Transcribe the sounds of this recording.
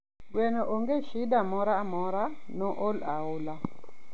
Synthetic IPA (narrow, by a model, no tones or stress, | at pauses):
wɛnoʔoŋɡeʃɪdamɔɾamɔɾanɔʔolaʊla